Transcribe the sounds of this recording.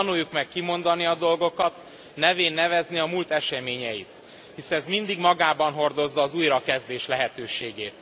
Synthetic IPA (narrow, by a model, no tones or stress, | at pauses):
ɒnujːukmɛkːimo̞nd̪ɒniɒd̪o̞lɡo̞kɒt̪ | nɛveːnːɛvɛzniɒmult̪ɛʃɛmeːɲɛjit̪ | hisɛɛzmind̪iɡmɒɡaːbɒnɦo̞rd̪o̞zːɒːzuːjɾɒkɛzd̪eːʃlɛɦɛt̪øːʃeːɡeːt̪